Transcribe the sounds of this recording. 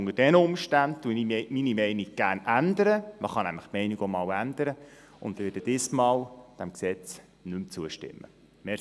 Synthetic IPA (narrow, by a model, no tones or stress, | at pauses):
ŋəd̥ɛnəʊmʃtænd̚tuniminimɛɪniɡ̚ɡ̥æːrnænd̪əɾəməχɑnæmləχtmɛɪniɡomɑːwænd̪əɾə | ʊ̰nd̪ʋɪːdəd̥̪ɪsmɑːwd̪̥æmksɛt͡s | nʏmt͡suəʃtɪ̰mːə̰ | mɛ